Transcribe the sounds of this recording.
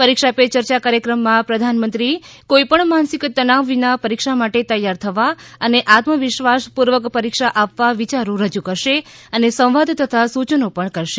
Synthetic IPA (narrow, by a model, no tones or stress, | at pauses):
pəɾikʃapet͡ʃəɾt͡ʃakaɾjəkɾəmːãpɾəd̪ʱanmənt̪ɾikoipəɳmansikt̪ənaʋʋinapəɾikʃamaʈet̪əjːaɾt̪ʰəʋaəneʔat̪məʋɪʃʋaspuɾʋəkpəɾikʃaʔapʋaʋit͡ʃaɾõɾəd͡ʒukəɾʃeənesə̃w̃ʋad̪ʱt̪ʰət̪ʰasut͡ʃənopəɳkəɾʃe̥